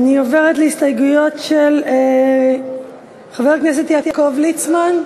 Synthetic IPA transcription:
anioveʁetlehistajɡujo̞tʃele | χaveʁknes̬et̪jat̪jakovlit͡sman

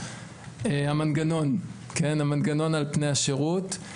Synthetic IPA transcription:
ehamanɡano̞n | kenhamanɡano̞nalpnejhaʃeʁut

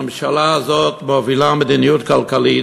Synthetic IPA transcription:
mʃalaːzot̪bɔvilamɪd̪inijut̪kalkalit

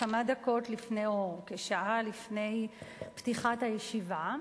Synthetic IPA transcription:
amadako̞tlifnejoʁkeʃaʔalifne̞jptiχathajeʃiva

